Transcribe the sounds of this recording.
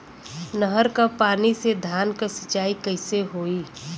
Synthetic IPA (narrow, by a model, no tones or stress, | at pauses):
nəɦəɾkapaːnised̪ʱaːnkasət͡ʃaːikəɪseɦoːiː